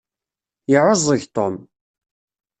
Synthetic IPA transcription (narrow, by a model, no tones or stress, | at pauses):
jəʕəzˤəʝt̪ˤom